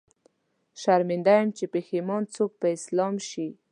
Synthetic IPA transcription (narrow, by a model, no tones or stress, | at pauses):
ʃaɾmɪnd̪ajamt͡ʃepexemɑnt͡sok̚pəɪslɑmʃi